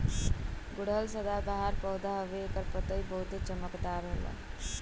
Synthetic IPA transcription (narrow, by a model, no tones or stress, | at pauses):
ɡʊɽ̤əlsəd̪abaɦaɾpəwd̪aɦobeːkəɾpət̪əibəɦut̪et͡ʃəməkd̪aɾɦolə̰